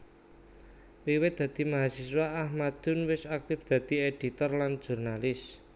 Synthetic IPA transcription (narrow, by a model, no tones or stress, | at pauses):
wiwɪt̪̚d̪̥ä̤d̪̥i̤maɦasiswaʔːhmad̪̥ʊ̤nwɪsak̚t̪ɪfd̪̥a̤d̪̥i̤eɖ̥i̤t̪ɔrlan̥ʒ̥ṳrnalɪs